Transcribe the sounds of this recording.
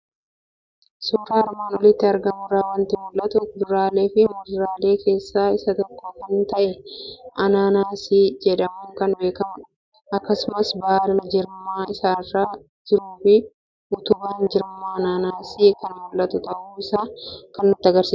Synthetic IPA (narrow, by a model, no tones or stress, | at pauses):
suːɾaːɐɾmaːnwɔlɪt̪ːɪɐɾɡɐmʊraːwɐnt̪ɪmʊlʔɐt̪ʊʊd̪ɾaːle̞ːfɪmʊd̪ɾaːle̞ːkʰe̞ːsːaːɪsɐt̪ɔkːokɐnt̪ɐʔɛʔɐnaːnaːsiːd͡ʒɛᶑɐmuːŋkɐnbe̞ːkɐmɐ | ɐkːɐsʊmɐsbaːllɐd͡ʒɪɾmːaːɪsaːrːaː | d͡ʒɪɾuːfɪ | ʔʊt̪ʊbaːnd͡ʒɪɾmːaːɐnaːnaːsiːkɐnmʊlʔːɐt̪ʊt̪ɐʔuːɪsaːkɐnːʊt̪ːɪɐɡɐɾsiː